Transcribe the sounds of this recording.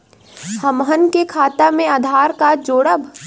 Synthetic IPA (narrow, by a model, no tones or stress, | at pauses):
həmɦənkekʰaːt̪amẽaːd̪ʱaːɾkad͡ʒoːɽəb